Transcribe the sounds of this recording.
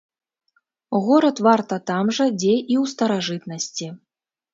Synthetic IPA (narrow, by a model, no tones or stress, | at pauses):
ɣɔɾɐt̪vart̪ɐt̪amʐɐd͡zʲejiwst̪ɐɾaʐɨt̪nɐsʲt͡sʲi